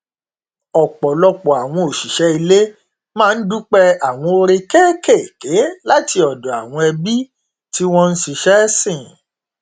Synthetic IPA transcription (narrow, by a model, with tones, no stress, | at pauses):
ɔ˨k͡pɔ˨lɔ˧k͡pɔ˨a˨w̃ɔ̃˧o˨ʃi˨ʃɛ˧˦i˧le˦ | mãː˦˧n̩˦du˦k͡pɛ˦a˨w̃ɔ̃˧o˧ɾe˧kɛː˦ke˦˨ke˨˦la˦ti˧ɔ˨dɔ˨a˨w̃ɔ̃˧ɛ˧bi˦ | ti˦w̃ɔ̃˦˧n̩˦ʃi˧ʃɛ˦sĩ˦˨